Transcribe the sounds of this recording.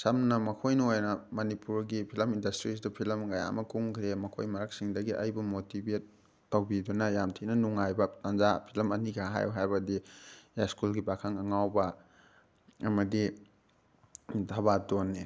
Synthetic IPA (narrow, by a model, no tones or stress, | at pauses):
sɐmnɐmɐkʰojnɐojnɐmɐnipuɾɡipʰilɐmindɐstɾis̬dɐpʰilɐmɡaja̰mɐkuŋkʰɾemɐkʰo̰jmɐɾɐk̚siŋdɐɡiʔɐjbɐmotibet̚ː | ɐwbidunɐjamtʰinɐnuŋajbɐtanzapʰilɐmɐnikʰaɦa̰jɦajbɐdijaskulɡibakʰaŋɐŋawbɐ | ɐmɐdi | dʱabadonːe